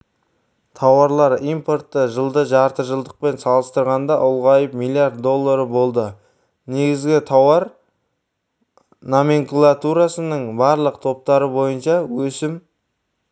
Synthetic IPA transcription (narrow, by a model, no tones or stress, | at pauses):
t̪ʰɑwɑɾlˠɑɾijmpo̞rt̪ːəʒəlˠd̪əʒɑɾt̪əʒəlˠd̪əq̚pe̞nsɑlˠəst̪əɾʁɑnd̪ɑʔʊlˠʁɑjəpmilˠijaɾt̪̚d̪o̞lˠːaɾəbo̞lˠd̪ə | ne̞ɡʲɪzɡʲɪt̪ʰɑwɑɾ | nome̞ŋkulˠat̪uɾasənəɴbɑɾlˠəqt̪ʰo̞p̚t̪ɑɾəbo̞jənʃɑwɵsɪm